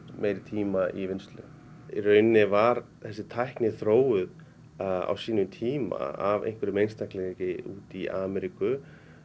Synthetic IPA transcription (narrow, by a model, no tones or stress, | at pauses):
meːjɾɪt̪ʰiːmaʔivɪnst̪lʏ̰ | rœɥnɪvaɾ | θɛsːɪt̪ʰajhknɪθɾoːwʏð | a̰wsiːnʏmt̪ʰiːma̰avḛjŋkvʏɾɪmejnst̪ʰajhklɛcɪuːt̪iaːmɛɾikʏ